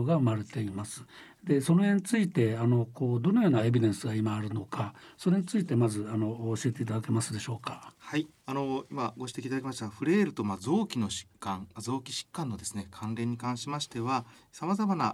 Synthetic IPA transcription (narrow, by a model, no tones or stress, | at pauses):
ɡaɯmaɾe̞t̪e̞imasɨ̥ | d̪e̞so̞noẽ̞ɲ̟it͡sɨit̪e̞ano̞ko̞ːd̪o̞nojo̞ːnae̞bʲid̪ẽ̞ɰ̃sɨɡaimaːɾɯ̟no̞kaso̞ɾe̞ɲ̟it͡sɨit̪e̞mazɨano̞ːɕie̞t̪e̞it̪ad̪ake̞masɨd̪e̞ɕo̞ːkḁhai | ano̞imaɡo̞ɕ̬i̥t̪eit̪ad̪akʲemaɕi̥t̪aɡaɸɯ̟ɾe̞ːɾɯ̟t̪o̞mazo̞ːkʲino̞ɕi̥kːãŋmazo̞ːkʲi̥ɕi̥kːãnːo̞d̪e̞sɨne̞kʰãnɾẽ̞ɲ̟ːikãɰ̃ɕimaɕi̥t̪e̞βasamazamana